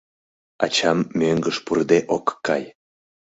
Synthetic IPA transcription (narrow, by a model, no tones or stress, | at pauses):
ɑ̰t͡ɕɑmːøŋɡəʃpurd̪eʔokːɑj